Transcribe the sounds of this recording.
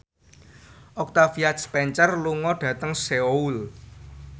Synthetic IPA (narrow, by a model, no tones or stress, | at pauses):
ʔɔk̚t̪afiat̪spɛɲt͡ʃərluŋɔɖ̥ä̤t̪əŋseoul